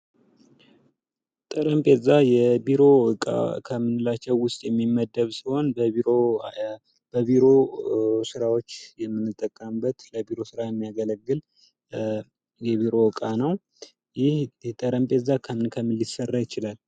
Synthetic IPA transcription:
t̪ʼəɾəmpʼezːajɛbiɾo̞ɨkʼa̰kʰəmːɨnɨlat͡ʃːɛwːʊst̪ʼjɛmːimːəd̪ːəβsiho̞nbəiɾo | b̥əβiɾo̞sɨɾawo̞t͡ʃːjɛmːɨnːɨt̪ʼːəkʼːəmbət̪ləbiɾo̞sɨɾajɛmːijaɡələɡːɨl | jɛβiɾo̞ɨkʼanəw | jɪht̪ʼəɾəmpʼezːakʰəɨnkʰəmɨlisərːajɪt͡ʃɪlal

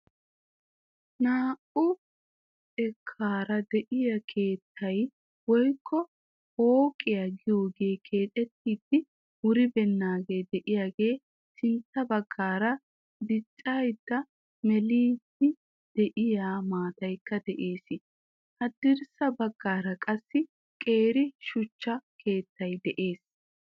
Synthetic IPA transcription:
naːʔʊ | ɛkʰːaːɾɐd̪ɛʔɪjɐkʰe̞ːt̪ʰːɐj | wɔjkʰːɔ | hoːkʼɪjaɡɪjo̞ːɡe̞ːkʰe̞ːt̪ʼɛt̪ːiːd̪ːɪ | wʊɾɪbɛnːaːɡe̞ːd̪ɛʔɪjaːɡe̞ː | sɪnt̪ːɐbɐɡːaːɾɐ | d̪ɪt͡ʃʼːajd̪̥ːɐ | mɛliːd̪ɪ | d̪̥ɛʔɪjaːmaːt̪ɐjkːɐd̪ɛʔe̞ːsɪ | hɐd̪ːɪɾsɐbɐɡːaːɾɐkʼɐsːɪ | kʼe̞ːɾɪʃʊt͡ʃːɐkʰe̞ːt̪ʰːɐjd̪ɛʔe̞ːs

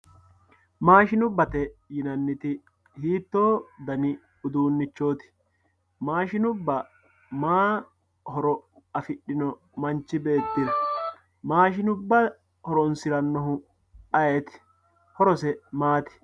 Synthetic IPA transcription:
maːʃɪnʊbːɐt̪ɛjɪnɐnːɪt̪ɪ | hiːt̪ːo̞ːd̪ɐnɪ | ʊd̪uːnːɪt͡ʃːo̞ːt̪ɪ̥ | maːʃɪnʊbːɐ | maː | hɔɾɔ | ɐfɪɗɪnɔ | mɐnt͡ʃːɪbe̞ːt̪ːɪɾɐ | maːʃɪnʊbːɐ | hɔɾɔnsɪɾɐnːɔɦʊ | ɐjeːt̪ɪ̥ | hɔɾɔsɛmaːt̪ɪ̥

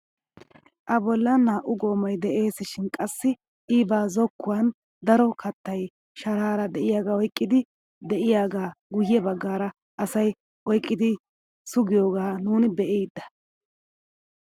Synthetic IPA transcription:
ʔɐbɔlːɐnaːʔʊɡo̞ːmɐjd̪ɛʔe̞ːsɪʃɪnkʼɐsːɪ | ʔiːbaːzɔkːʊwan | d̪ɐɾɔkɐt̪ːɐj | ʃɐɾaːɾɐd̪ɛʔɪjaːɡaːɔjkʼːɪd̪ɪ | d̪ɛʔɪjaːɡaːɡʊjɛbɐɡːaːɾɐ | ʔɐsɐj | ɔjkʼːɪd̪ɪ | sʊɡɪjoːɡaːnuːnɪbɛʔeːd̪ːɐ̥

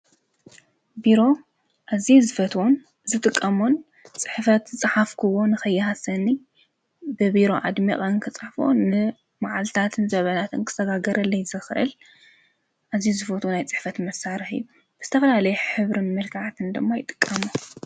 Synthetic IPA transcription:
biɾo̞ | ʔazizɨfɐt̪ʰwon | zɨt̪ʼɨkʼːɐmon | t͡sʼɨ̥ħfɐt̪zɨt͡sʼɨħafkʰɨwo̞nɨxɐjːɨɦasɐni | bɨbiɾo̞ʕa̰d̪mḭχʼnkʰɨt͡sʼɨħfo̰nːɨ | maʕalt̪ʰat̪ʰɨnzɐβɐnat̪ɨnkʰɨ̥t̪ʰɐɡaɡɐɾʔɐlːɐjzɨxɨʔɨ̰l | ʔazijzɨfɐt̪ʰunajt͡sʼɨ̥ħfɐt̪mɐsaɾɨħɨ̰jːu | b̥ɨzɨt̪ʰɐfɐlalɐjɛħɨβɾɨnmɨlkʰaʕt̪ʰɨnd̪ɨmːajɪt̪ʼɨ̥kʼːɐmu

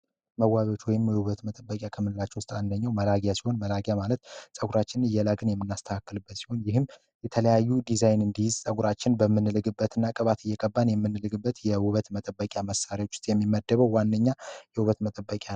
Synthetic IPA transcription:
məwːaβjo̞t͡ʃːwɔjɪmjɛwuβət̪mət̪ʼəbːəkʼjakʰəmːɨlɨlat͡ʃːɛwʊst̪ʼand̪əɲːawməlaɡjasiho̞nməlaɡjamalət̪sʼəɡʷuɾat͡ʃːɪnnɨjːɛlaɡɨnjɛmːɨnːast̪ʰəkʰakːɨlɨbːət̪siho̞njɪɦɨm | jɛt̪ʰələjajːud̪izajnɨnd̪ijɪzsʼəɡuɾat͡ʃːɪnbəmːɨnːɨlɨɡɨbːət̪ʰɨnːakʼəβat̪ʰɨjːɛkʼəbːanjɛmːɨnːɨlɨɡɨbːət̪jɛwuβət̪mət̪ʼəbːəkʼjaməsaɾiawot͡ʃːʊ̥st̪ʼjɛmːimːəd̪ːəβəwwanːəɲːajɛwuβət̪mət̪ʼəbːəkʼjan

